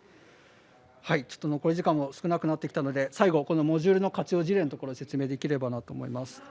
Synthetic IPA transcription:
hait͡ɕo̥t̪ːono̞ko̞ɾʲiʑikãm̃ːo̞sɨ̥kɯ̟nakɯ̟nat̪ːe̞kʲi̥t̪ano̞d̪e̞saiɡo̞ko̞no̞mo̞ʑɨːɾɯ̟no̞kat͡ɕio̞ːʑiɾẽ̞not̪oko̞ɾose̞t͡sɨme̞ːd̪e̞kʲiɾe̞banat̪o̞ːmo̞̰ḭmasɨ̥

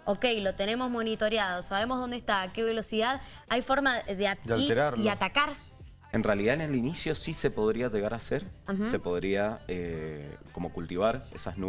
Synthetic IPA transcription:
oke̞jlo̞t̪ene̞mo̞zmo̞nit̪o̞ɾjaðosaβe̞mozð̞o̞nd̪est̪akeβe̞lo̞siðað | ajfo̞ɾmaðead̪alieɾaɾiat̪akaɾ | enrealiðanelinisjo̞sise̞po̞ð̞ɾiaʒeɣaɾaseɾase̞po̞ð̞ɾiaeko̞mo̞kult̪iβaɾḛsaznu

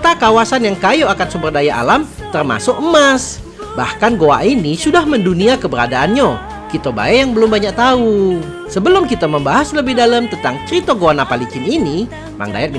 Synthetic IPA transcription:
t̪akawasanjaŋkajoakansumbərdajaʔa̰lam | t̪ərma̰sʊkəmas | ba̰hkanɡoa̰ʔinisudahmənduniakəbəɾadaanɲo | kit̪oba̰ɛjaŋbəlʊmbaɲak̚t̪au | səbəlʊmkit̪aməmbaɦasləbɪhdaləmt̪ənt̪aŋt͡ʃəɾit̪oɡoanapalikɪnini | ma̰ŋda̰jat̪̚m

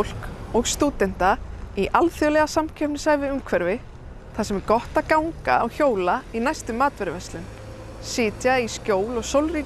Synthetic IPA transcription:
wl̥kɔɣst̪uːt̪ɛn̥t̪aiʔalθjœlɛɣasamcʰœpnɪsaːjvɪʏmkʰvɛɾvɪ | θasɛmɛɾkɔht̪aðkawŋka̰ɔɣçoːwlainajst̪ʏmːaːt̪vɛɾɪvɛst̪lʏn | sɪːt̪jaiscoːwlɔɣsowlri

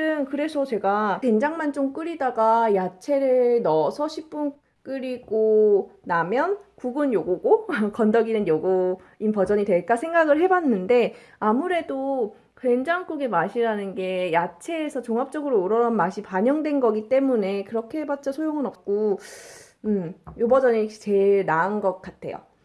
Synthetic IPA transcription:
ɯnkɯɾe̞sʰʌt͡ɕe̞ɡake̞nd͡ʑaŋmant͡ɕ͈oŋk͈ɯɾidaɡajat͡ɕʰe̞ɾɯnʌsʰʌɕʰip͈un | k͈ɯɾiɡ̥onamjʌnkuɡɯnjoɡoɡokʌndʌɡinɯnjoɡo | inpʌd͡ʑʌɲitwe̞ɭk͈asʰe̞ŋɡaɡɯɭɦe̞banːɯnde̞ | amuɾe̞do | kwe̞nd͡ʑaŋk͈uɡe̞maɕʰiɾanɯnɡe̞jat͡ɕʰe̞ːsʰʌt͡ɕoŋap̚t͡ɕ͈ʌɡɯɾouɾʌɾʌnmaɕʰipaɲʌŋdwe̞nɡʌɡit͈e̞mune̞kɯɾʌkʰeɦebat̚t͡ɕ͈ʌsʰojoŋɯnʌp̚k͈o | ɯmjobʌd͡ʑʌnit͡ɕe̞ɭnaɯnɡʌk̚k͈atʰe̞̰jo̰

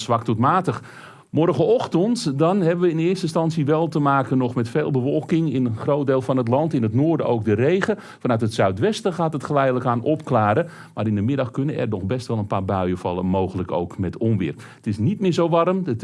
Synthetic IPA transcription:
sʋɑk̚tutmaːtəx | mɔrɣəɔxtəntdɑnɦɛbəʋəɪnɪərstəɪnstɑnsiʋɛlˠtəmaːkənɔχmɛtfeːlˠbəfɔlˠkɪŋɪnχrowt̚deːlˠfɑnɦətlɑntɪnɦətnoːrdəʔowk̚dərejɣə | fɑnœɥtɦətsœɥtʋɛstəχaːtɦətχəlɛjdələkaːnʔɔpklaːɾə | maːɾɪndəmɪdɑxkɵnənʔɛ̰rdɔxbɛstʋɛlˠənpaːrbœɥəfɑ̰lˠəmowɣələko̰wkmɛtɔmʋɪ̰ːr | ətɪsnit̚mɪːzowʋɑrəmət

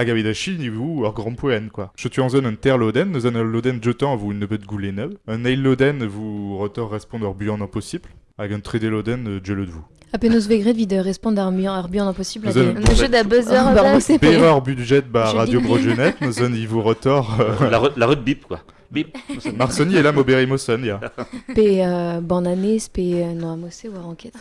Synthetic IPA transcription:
aɡabed̪aʃinivuɔʁɡʁɑ̃pwɛnkwaʒ̥ət̪yɑ̃zɔnɛ̃t̪ɛʁlɔd̪ɛnːɔzɔnɛ̃lɔd̪ɛnʒət̪ɑ̃vuynːəpɛt̪ɡulenœvɛ̃nɛjlːɔd̪ɛnvuʁət̪ɔʁːɛspɔ̃d̪œʁbyɑ̃d̪ɛ̃pɔsibl | avɛkɛ̃t̪χed̪elɔd̪ɛnødʒəlɔd̪vu | apenozveɡʁed̪vid̪øʁɛspɔ̃d̪aʁbɑ̃ʁbyjɑ̃d̪ɛ̃pɔsib̪zɔʒød̪abøzœʁbasepeʁaʁbyd̪ʒɛt̪̚baʁadjobʁɔʒənɛt̪nozɔnivuʁət̪ɔʁlaʁylaʁyd̪bipkwa | maʁsɔniɛlamobeʁimɔsɔnjapeøbɑ̃nanɛspeønɔ̃amoseuaʁɑ̃kʲɛt̪χ

